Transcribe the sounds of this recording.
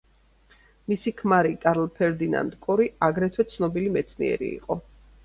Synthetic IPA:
misikʰmaɾikʼaɾlpʰɛɾd̪ina̰nd̪kʼɔɾiaɡɾɛt̪ʰwɛt̪sʰnɔbilimɛt̪sʰnḭɛ̰ɾḭːqʼɔ

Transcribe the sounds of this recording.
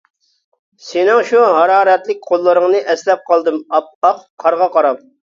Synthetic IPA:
sɪnɪŋʃuɦɑɾɑːɾɛt̪lɪk̚ʲqʰolˠːɨɾɨŋnɨʔɛslɛp̚qʰɑlˠd̪ɨmɑp̚ɑqqʰːɑɾʁɑqʰɑɾɑp̚

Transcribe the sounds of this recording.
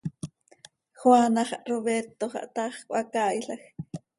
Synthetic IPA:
xwanɑχɑʔroβeɾt̪oχɑ̰ʔt̪ɑχkʷʼʔakaːjɬɑx

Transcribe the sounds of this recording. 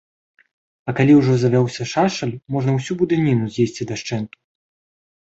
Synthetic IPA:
ɐkalʲiwʐɔzɐvʲawsʲɐʂaʂɐlʲmɔʐnɐwsʲubud̪ɨnʲinuzʲjesʲt͡sʲid̪ɐʂt͡ʂɛnk̪u̥

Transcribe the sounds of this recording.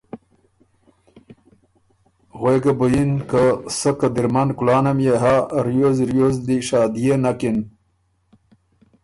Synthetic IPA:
ɣweɡabujinkasəkad̪iɾmankulɑːnamjeɦaɾijozɾjozd̪iʃɑːd̪ijenakin

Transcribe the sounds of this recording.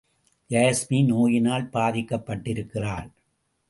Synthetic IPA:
d͡ʒaːsminoːjɪnaːlpaːðɪkːɐpːɐʈːɪɾɯkːɪraːɭ

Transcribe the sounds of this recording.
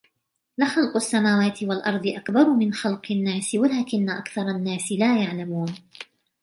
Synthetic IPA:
lɪxɑlqʊasːamaːwaːt̪ɪwalʔɑɾˤd̪ˤɨʔakbɑɾˤʊmɪnxɑlqɪnːaːsɪwalaːkɪnːaʔakθɑɾˤɑnːaːsɪlaːjaʕlamuːn

